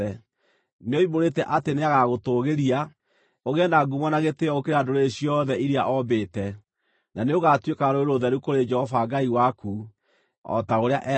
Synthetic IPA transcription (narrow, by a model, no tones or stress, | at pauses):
ɛ | neoimoɾetɛʔateneaɣaɣotoɣeɾia | oɣɛndaɡumwanaɣeteɔokeɾeadoɾeeɕjɔðɛiɾiaʔɔbetɛ | naneoɣatwekaɾoeɾoðɛɾukoɾed͡ʒɛhɔfaɡaiwaku | ɔ̰taoɾea̰ʔɛ